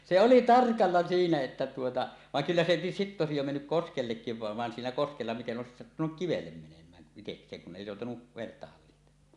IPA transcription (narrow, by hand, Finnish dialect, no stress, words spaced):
se oli tɑrkɑlːɑ siːnæ etːæ tuotɑ ʋɑŋ kylːæ se sitːe oˑesij jo menːyk koskelːekːiʋ ʋɑˑeʋ ʋɑn siːnæ koskelːɑ miten ʔoˑesis sɑtːunuk kiʋelːem menemˑæːn iteksˑeːŋ kun ʔeˑi joˑutɑnu ʋenetːæ hɑlːihtemˑɑː